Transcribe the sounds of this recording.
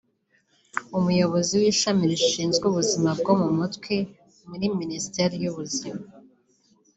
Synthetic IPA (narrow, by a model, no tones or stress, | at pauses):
umujo̞βo̞ziwiːʃamiɾiʃiːnzɡuβuzimab̚ɡo̞mumutkwe | muɾiministeɾijuβuzima